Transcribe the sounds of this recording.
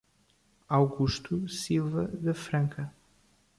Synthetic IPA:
awɣuʃt̪usilˠvɐðɐfɾɐ̃ŋkʰɐ

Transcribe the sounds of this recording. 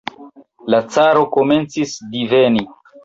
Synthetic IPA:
lat͡saɾo̞ko̞me̞nt͡sisdiveni

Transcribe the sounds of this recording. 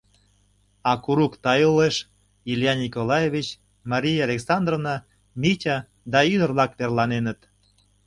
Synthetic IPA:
ɑkuɾukt̪ɑjuleʃ | ilʲjɑnʲikolˠɑjevʲit͡ɕ | mɑɾʲijalʲeksɑnd̪rovnɑ | mʲitʲɑ | d̪ɑyd̪ərβlɑkβerlɑnenət̪

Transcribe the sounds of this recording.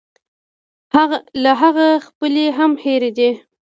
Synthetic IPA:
laɦaɣaxpəleɦamheɾed̪i

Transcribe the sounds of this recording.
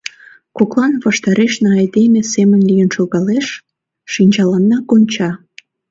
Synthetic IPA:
koklɑnβɑʃt̪ɑɾeʃnɑɑjd̪emʲesemənlijənʃoɣɑleʃ | ʃinʲt͡ɕɑlɑnːɑkonʲt͡ɕɑ

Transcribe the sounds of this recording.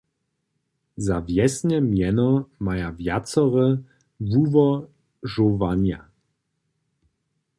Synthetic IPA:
zavjɛsɲɛmjɛnɔmajavjat̪sɔʁɛ | vuvɔ | ʐɔvaɲa

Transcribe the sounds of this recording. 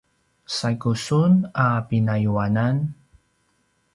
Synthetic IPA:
sakusunapinajuanan

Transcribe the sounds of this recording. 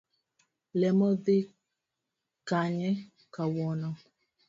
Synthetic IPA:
lɛmɔðɪ | kaɲɛ | kawɔnɔ

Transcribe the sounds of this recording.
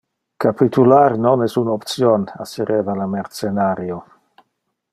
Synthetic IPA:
kapit̪ʰularnonɛsunɔpt̪sjona̰sɛɾevalameɾt̪senaɾjo

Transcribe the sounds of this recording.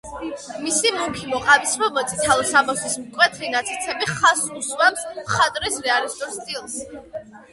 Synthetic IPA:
misimɔpʰimɔqʼavismɔbɔt̪sʰʼit̪ʰalˠɔsamɔsismkʼwɛt̪ʰɾinat̪sʼit̪sʰɛbiχasuswamsmχat̪ʼɾɛsɾɛalist̪ʼɔɾst̪ʼilˠs

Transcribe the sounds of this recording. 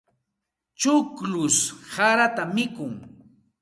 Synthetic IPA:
t͡ʃʊklʊshaɾat̪amɪkʊŋ

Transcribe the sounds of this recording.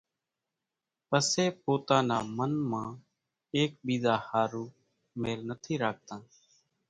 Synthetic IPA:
pəseːpoːt̪ãːnaːmənmãː | eːk̚ɓiːzaːhaːɾuː | meːlnət̪ʰiːɾaːk̚t̪ãː

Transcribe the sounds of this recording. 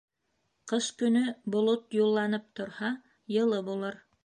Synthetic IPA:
qɤskɵ̆nɵbŏlˠot̪julˠːɑnɤp̚t̪ŏɾhɑ | jɤ̆lˠɤbulˠɤɾ

